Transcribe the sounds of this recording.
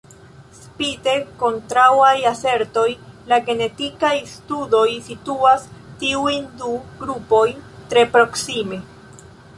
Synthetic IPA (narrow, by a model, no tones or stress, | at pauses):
spide̞kontɾawajase̞ɾto̞jlaɡe̞ne̞tikajstudo̞jsituastiujnduɡɾupo̞jntɾe̞pɾo̞ksime̞